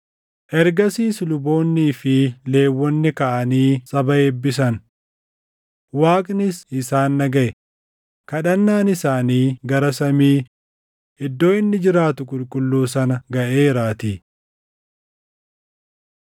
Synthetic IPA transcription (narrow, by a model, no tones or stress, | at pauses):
ʔɛɾɡɐsiːslʊbo̞ːnːiːfɪle̞ːwːɔnːɪkɐʔɐniːsʼɐbɐeːbːɪs̬ɐn | waːkʼnɪsɪsaːnːɐɡɐʔɛ | kɐᶑɐnːaːnɪsaːniːɡɐɾɐsɐmiː | ʔɪd̪ːo̞ːɪnːɪd͡ʒɪɾaːt̪ʊkʼʊlkʼʊlːuːsɐnɐɡɐʔe̞ːɾaːt̪iː